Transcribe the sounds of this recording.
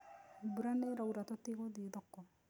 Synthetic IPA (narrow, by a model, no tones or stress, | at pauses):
buɾaneɾawɾat̪ɔt̪ikɔd̪ied̪ɔkːɔ